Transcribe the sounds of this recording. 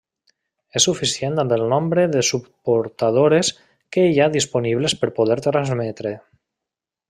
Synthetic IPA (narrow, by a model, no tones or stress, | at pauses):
esːufisjent̪ambelˠnombɾeðesupoɾt̪að̞oɾes | keaðisponiβlespəɾpoðɛɾt̪ɾanzmɛt̪ɾe